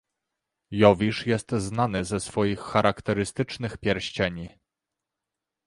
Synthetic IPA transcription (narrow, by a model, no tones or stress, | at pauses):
jɔvʲiʂjɛst̪znanɘzɛsfɔjixːaɾʔakt̪ɛɾɘst̪ɘt͡ʂnɘxpʲjɛɾɕt͡ɕɛɲi